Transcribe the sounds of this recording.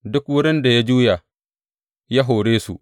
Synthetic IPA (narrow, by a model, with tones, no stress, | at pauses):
dʊ˦kwʊ˦ɾɪ˦nda˨ja˦d͡ʒuː˦ja˨ | ja˦ɦo˨ɽeː˦sṵ˨